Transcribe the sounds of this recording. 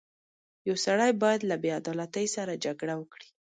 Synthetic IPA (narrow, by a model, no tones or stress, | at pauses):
jawsaɽajbɑjad̪labead̪ɑlat̪əjsaɾad͡ʒaɡɽawəkɽi̥